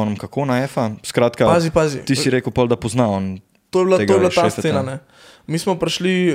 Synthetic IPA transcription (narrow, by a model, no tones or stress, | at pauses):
ɔnəmkakʰonaɛːfaskɾaːt̪kapazipazḭt̪isiɾeːkəwpɔld̪ɐpɔznaɔn | t̪oːjɛblaeɡ̪ojɛblaʃaeːsfeːnanɛ | miːsmɔpɾʃli